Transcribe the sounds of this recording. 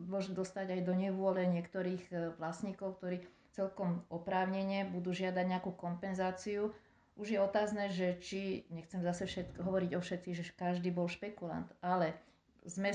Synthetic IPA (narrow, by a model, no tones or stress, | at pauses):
mʊɔʒmɛd̪ɔst̪aɟajd̪ɔɲɛʋʊɔlɛɲɪɛkt̪ɔɾiːɣʋlasɲiːkɔʊk̚t̪ɔɾiː | t͡sɛlkɔmɔpɾaːʊɲɛɲɪɛbud̪uːʒɪad̪aɟɲɛakuːkɔmpɛnzaːt͡siu | ʔuʒjɛɔt̪aːznɛːʒɛt͡ʃiɲɛxt͡sɛmzasɛfʃɛt̪ɦɔʋɔɾiɟɔfʃɛt̪t͡siːɣʒɛkaʒd̪iːbɔlʃpɛkula̰nt̪alɛ | zmɛ